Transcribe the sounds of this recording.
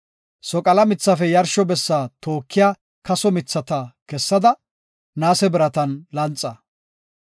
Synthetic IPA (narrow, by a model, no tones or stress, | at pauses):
sɔkʼɐlɐmɪt͡sːɐfɛjɐɾʃɔbɛsːaːt̪oːkʰːɪjaː | kɐsɔmɪt͡sːɐt̪ɐkɛsːɐd̪ɐ | naːsɛbɪɾɐt̪ɐnlɐnt͡sʼːɐ